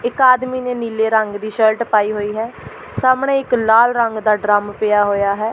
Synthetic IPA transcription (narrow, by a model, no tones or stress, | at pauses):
ɪkaːd̪miːneːniːleːɾəŋɡd̪iːʃəlʈpaːiːɦoːiːɦɛː | saːmɳẽːɪklaːlɾəŋɡd̪aːɖɾaːmpɪːaːɦoːjaːɦɛː